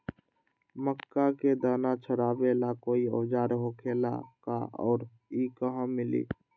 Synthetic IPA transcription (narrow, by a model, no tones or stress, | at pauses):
məkːaked̪aːnat͡ʃʰəɾaːbelakoːiɔːd͡ʒaːɾɦokʰeːla̰ka̰ɔ̰ːɾ | ikəɦə̃mɪlḭː